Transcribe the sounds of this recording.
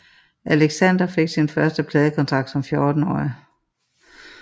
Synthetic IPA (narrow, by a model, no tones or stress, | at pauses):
ʔæleɡ̥sænd̥ɐfe̝ɡ̥sinfɶɐsd̥əpʰlɛːðˠəkʰɒ̽nt͡sʰʁɑ̈ɡ̥d̥sɒ̽mfjo̝ːd̥n̩ɒ̰ːɪi